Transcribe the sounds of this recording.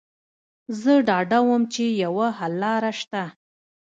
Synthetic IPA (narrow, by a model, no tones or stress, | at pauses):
zəɖɑɖawəmt͡ʃejawahalːɑɾaʃt̪a